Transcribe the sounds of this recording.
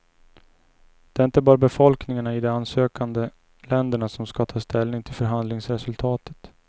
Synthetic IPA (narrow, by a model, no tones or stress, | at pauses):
d̪̥ɛːɾɪnt̪əbɑːɾabɛfɔlknɪŋaɳaɪd̪ɔansøːkand̪ə | lɛnd̪əɳasɔmskɑt̪ʰɑːst̪ɛlnɪŋt̪ʰɪlfœɾɦand̪lɪŋsɾɛsɵlt̪ʰɑːt̪ə̥t̪